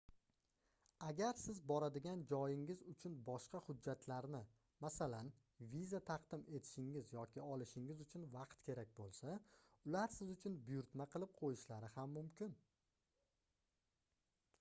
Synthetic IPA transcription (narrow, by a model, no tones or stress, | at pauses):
aɡʲaɾsɪzbɒɾad̪ɪɡʲand͡ʒɒjɪŋɪzʊt͡ʃʰʊnbɒʃqɑhʊd͡ʒːat̪ʰlaɾnɪ | masalan | vizat̪ʰɑqd̪ɪme̞t̪ʰɪ̥ʃɪŋɪzjɒkʲʰɪɒlˠɪʃɪŋɪzʊt͡ʃʰʊnvɑqt̪kʲʰe̞ɾak̚ʲbolˠsaʊlaɾsɪzʊt͡ʃʰʊnbʊjʊɾt̪maqʰɨlˠɪp̚qʰojɪʃlaɾɪhamːʊmkʲɪn